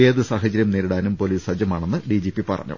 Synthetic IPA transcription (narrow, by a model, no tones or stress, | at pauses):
eːðɨsaːɦɐt͡ɕːɐɾjɐmneːɾuɽaːnumpo̞liːsɐd͡ʑɐmaːɳe̞nːɨɖid͡ʑipːipɐ̰rɐ̰ɲːṵ